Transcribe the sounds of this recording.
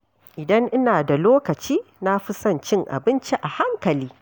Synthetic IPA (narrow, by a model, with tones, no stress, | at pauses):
ʔɪ˨dɐ˦ŋʔɪ˦naː˨da˨loː˦kɐ˨t͡ʃiː˦na˦ɸɪ˦sɐ˦˨nt͡ʃɪ˦ŋʔa̰˨bɪ˦nt͡ʃi˦ʔa˨ha˦ŋkɐ˨liː˦